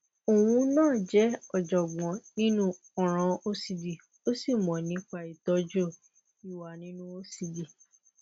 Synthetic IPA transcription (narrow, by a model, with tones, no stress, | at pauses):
o˨wũ˧˦nãː˦˨d͡ʒɛ˨˦ɔ˨d͡ʒɔ˨ɡ͡bɔ̃˨nĩ˦nũ˦ | ɔ˨ɾ̃ã˨˧o˦si˧di˨ | o˦si˦˨mɔ̃˨nĩ˨˦k͡pa˦˨i˨tɔ˨˦d͡ʒo˦˨ | i˨wa˨nĩ˦nũ˦o˦si˧di˨